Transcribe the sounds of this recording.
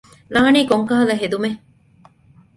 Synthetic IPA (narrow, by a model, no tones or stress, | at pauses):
laːniːkoŋkɐɦɐlɐɦed̪ume